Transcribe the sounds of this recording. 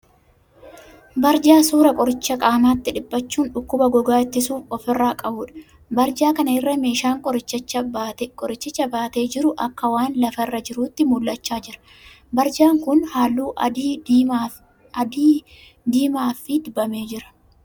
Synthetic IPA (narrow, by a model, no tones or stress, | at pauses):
bɐɾd͡ʒaːsuːɾɐkʼɔɾɪt͡ʃːɐkʼaːmaːt̪ːɪᶑɪbːɐt͡ʃːuːnᶑʊkːʊbɐɡɔɡaːɪt̪ːɪsuːfɔfɪrːaːkʼɐbuːᶑɐ̥ | bɐɾd͡ʒaːkɐnɐɪrːɐme̞ːʃaːŋkʼɔɾɪt͡ʃːɐt͡ʃːɐb̪kʼɔɾɪt͡ʃːɪt͡ʃːɐbaːt̪e̞ːd͡ʒɪɾʊʔɐkːɐwaːnlɐfɐɪrːɐd͡ʒɪɾuːt̪ːɪmʊlːɐt͡ʃːaːd͡ʒɪɾɐ̥ | bɐɾd͡ʒaːŋkʊnhaːlːuːʔː | ɐd̪iː | d̪iːmaːfɪd̪ʊbːɐme̞ːd͡ʒɪɾɐ̥